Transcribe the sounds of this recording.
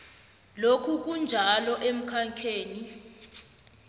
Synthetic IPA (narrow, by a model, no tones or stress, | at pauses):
lokʰuk̬und͡ʒʱalɔʔem̩kʰaŋkʰeːni